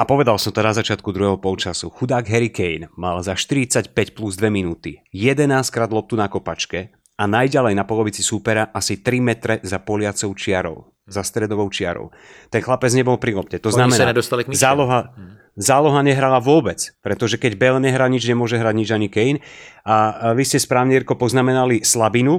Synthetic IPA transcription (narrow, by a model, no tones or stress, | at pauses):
apɔʋɛd̪alˠsɔmt̪ɔnazat͡ʃɪat̪kud̪ɾuɦɛɦɔpɔlˠt͡ʃasuxud̪aːɡɦɛɾikɛjnmalzaʃt̪iɾit͡sacpɛcpluzd̪ʋɛminuːt̪ijɛd̪ɛnaːskɾaːd̪lˠɔp̚t̪unakɔpat͡ʃkɛ | anajɟalɛjnapɔlɔʋit͡sisupɛɾaʔasit̪ɾimɛt̪ɾɛzapɔlɪat͡sɔʊt͡ʃɪaɾɔ̰ʊ | zast̪ɾɛd̪ɔʋɔʊt͡ʃɪaɾɔ̰ʊ | t̪ɛnxlapɛd͡zɲɛbɔlˠpɾilɔp̚cɛt̪ɔznamɛnaɛd̪ɔst̪alikzaːlɔɦa | zaːlɔɦaɲɛɦɾalaʋʊɔbɛt͡spɾɛt̪ɔʒɛkɛɟbɛlɲɛɦɾaɲid͡ʒɲɛmʊɔʒɛɦɾaɟɲid͡ʒaɲikɛinaʋiscɛspɾaːʊɲiɾkɔpɔznamɛnalislabinu